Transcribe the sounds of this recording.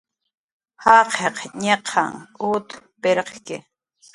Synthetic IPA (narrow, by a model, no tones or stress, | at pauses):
hɑqʰeqɲeqʰɑ̰ŋut̪ | peɾqkɪ̰